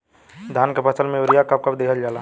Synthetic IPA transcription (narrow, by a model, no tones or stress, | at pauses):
d̪ʱaːnkepɐsəlmẽʊɾijakɐp̚kɐd̪eːkʰəld͡ʒaːlaː